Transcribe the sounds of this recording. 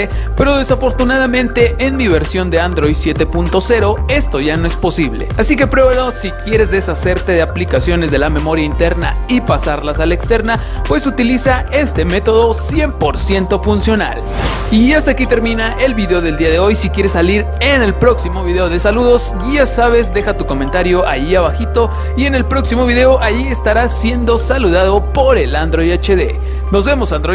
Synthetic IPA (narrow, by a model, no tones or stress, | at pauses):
epe̞ɾo̞ð̞e̞safo̞ɾt̪unað̞amẽnt̪e̞ʔːnd̪iβe̞ɾsjo̞nd̪e̞and̪ɾo̞jd̪sje̞t̪e̞punt̪o̞se̞ɾo̞e̞st̪o̞ʝano̞e̞spo̞siβle̞̰asik̬e̞pɾeβðosikje̞ɾe̞zðe̞sase̞ɾt̪e̞ðeaplikasjo̞nezðe̞lame̞mo̞ɾjaint̪e̞ɾna̰ipasaɾlasalaekst̪e̞ɾna | pwe̞sut̪ilisae̞st̪e̞me̞t̪o̞ðo̞sje̞mpo̞ɾsje̞nt̪o̞funsjo̞na̰l | iast̪akit̪e̞ɾmĩnaʔe̞lβiðe̞o̞ðe̞ld̪iaðe̞o̞jsikje̞ɾesːaliɾ | e̞ne̞lpɾo̞ksimo̞βiðe̞o̞ð̞e̞saluðo̞s | asaβ̞e̞zd̪e̞xat̪uko̞mẽ̞nt̪aɾjo̞ʔaʝiaβaxit̪o̞ | ie̞ne̞lpɾo̞ksimo̞βiðe̞o̞ʔaʝie̞st̪aɾasje̞nd̪o̞saluðaðo̞po̞ɾe̞land̪ɾo̞jat͡ʃeðe̞ | no̞zβe̞mo̞sand̪ɾo